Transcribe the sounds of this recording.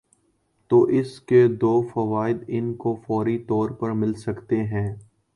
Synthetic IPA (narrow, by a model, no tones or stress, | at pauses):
t̪oːʔɪsked̪oːfɐʋaːɪd̪ɪnkofɔːɾit̪ɔːɾpɐɾmɪlsɐkt̪eɦɛ̃ː